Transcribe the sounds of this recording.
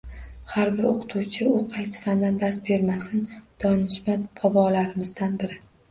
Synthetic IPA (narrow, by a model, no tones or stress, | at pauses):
haɾbɪɾoqʰɨ̥t̪ʰuwt͡ʃʰɪʊqʰɑjsɪ̥fand̪and̪ast̪be̞ɾmasɪnd̪̥ɒnɪʃmabʰɒbɒlaɾɪmɪzd̪anbɪɾɪ